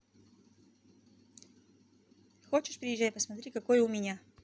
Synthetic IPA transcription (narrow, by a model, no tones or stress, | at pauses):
xoːt͡ʃɛʃpɾiːʒɛjpasmat̪ɾikakoːjɛumiːnja